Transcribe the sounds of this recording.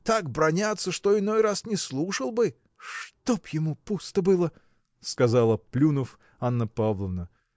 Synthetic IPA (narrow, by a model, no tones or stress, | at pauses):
t̪akbɾɐnʲat̪sːəʂt̪oɪnojrasnʲɪslˠuʂəlˠbɨ | ʂt̪opjɪmupust̪əbɨlˠə | skɐzɑlˠəplʲunəf | anːəpavlˠəvnə